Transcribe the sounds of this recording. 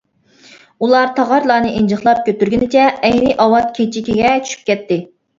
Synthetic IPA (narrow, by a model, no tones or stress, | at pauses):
ulˠɑɾt̪ʰɑʁɑɾlˠɑːnɨʔend͡ʒɨχlˠɑp̚kʲʰøt̪ːyɾɡʲinɪt͡ʃʰɛːjnɪʔɑwɑt̪̚kʲʰet͡ʃʰikʲiɡʲɛt͡ʃʰy̥ʃy̥p̚kʲɛt̪ːɪ